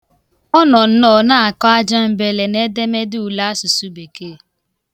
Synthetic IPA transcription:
ɔ˦nɔ˨n̩˦nɔ˦˨na˦a˨kɔ˦a˦d͡ʒa˦m̩˦be˨le˨ne˦de˦me˦dɪ˦u˨la˦su˨su˦be˨ke˦˨

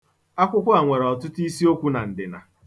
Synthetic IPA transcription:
a˦kʷʊ˦kʷʊ˦a˨ŋʷe˨ɾɔ˨tʊ˦tʊ˦i˦si˦o˦kʷu˦na˨n̩˨dɪ˨na̰˨

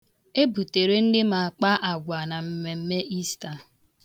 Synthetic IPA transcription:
e˦bu˨te˨ɾe˦n̩˦dɪ˦ma˨a˨k͡pa˦ʔa˨ɡʷa˨na˨m̩˨me˨m̩˦me˦ʔi˦sta˨

